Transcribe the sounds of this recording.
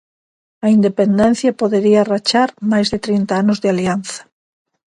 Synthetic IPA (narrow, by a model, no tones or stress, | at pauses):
ɐind̪epend̪ɛ̃n̟θjapoðeɾiarat͡ʃaɾmajzðet̪ɾint̪aanʊzðɪalianθḁ